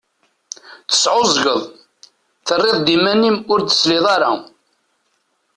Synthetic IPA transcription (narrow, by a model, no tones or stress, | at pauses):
θə̥sʕozɡəðˤ | θərːɪðˤd̪imænimʊɾd̪ə̥slɪðˤɑɾa